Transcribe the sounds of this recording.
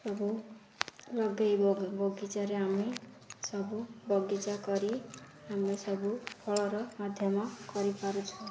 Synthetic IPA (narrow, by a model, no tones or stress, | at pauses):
sʌbu | lʌɡajbʌɡbʌɡit͡saɾeɦami | sʌbubʌɡit͡sakʌɾi | amisʌbupʰʌɭʌɾʌmad̪ʱjʌmakʌɾipaɾut͡sʰu